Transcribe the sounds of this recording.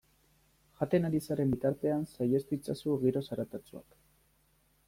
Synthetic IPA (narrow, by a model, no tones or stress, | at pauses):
ʝat̪e̞naɾisaɾe̞mbit̪aɾt̪e̞ansaje̞st̪uit͡sasuɣiɾo̞saɾat̪at͡sua̰k